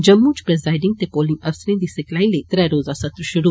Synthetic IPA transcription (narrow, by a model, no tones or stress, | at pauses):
d͡ʒɐmːuːt͡ʃpɾɛzaːɪɖɪ̃ŋɡ̚t̪ekoːlɪ̃ŋɐfsɾĩnd̪isɐklaːĩlet̪ɾɛɾoːzasɐt̪ɾʃʊɾu